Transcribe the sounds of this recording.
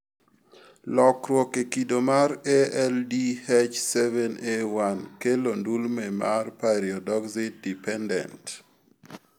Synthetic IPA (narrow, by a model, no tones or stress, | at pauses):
lɔkɾwɔkekidomaɾeɛldihɛt͡ʃsɛvɛnewankelondulmɛmarpaɾiɔdɔksɪdipɛndɛ̰nt